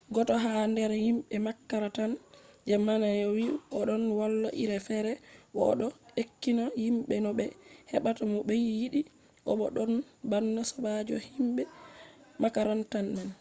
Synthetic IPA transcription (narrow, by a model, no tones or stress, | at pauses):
ɡɔtɔɦandɛɾhimɓɛmakːaɾatand͡ʒamanajɔwiʔɔɗɔnwalːɔʔiɾɛfɛɾɛwɔɗɔekːinahimɓɛnɔɓɛhɛɓatamɔɓɛjjiɗi | ʔɔ̰ɓɔ̰ɗɔnbanːasɔbad͡ʒɔhimɓɛ | makaɾantanman